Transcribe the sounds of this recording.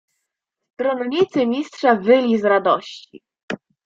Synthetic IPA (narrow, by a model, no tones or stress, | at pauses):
st̪ɾɔnɲit̪sɘmʲistʂavɘlʲizɾad̪ɔɕt͡ɕḭ